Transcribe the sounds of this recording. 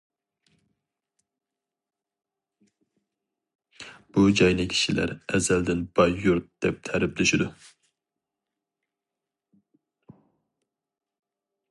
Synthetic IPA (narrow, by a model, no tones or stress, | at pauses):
b̥ud͡ʒɑjnɪkʲʰi̥ʃilæ̰ɾɛzæld̪ɪnb̥ɑjːuɾt̪̚d̪̥ɛp̚t̪ʰɛɾɪplɪʃid̪u